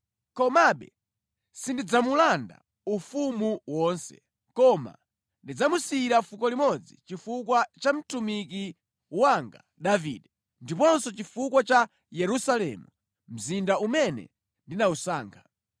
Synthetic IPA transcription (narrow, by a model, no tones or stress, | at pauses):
kɔmaɓɛ̰ | sindid͡zamulanda̰ | ufumuwɔːnsɛ̰ | kɔma̰ | ndid͡zamusiɾafukɔlimɔd͡zḭt͡ʃifukwat͡ʃam̩tumiki | waŋɡa̰ | ɗaviːɗɛ | ndipɔnsɔt͡ʃifukwat͡ʃa | jɛɾusalɛ̰mu | m̩zindaumɛnɛ̰ | ndinausaːŋkʰḁ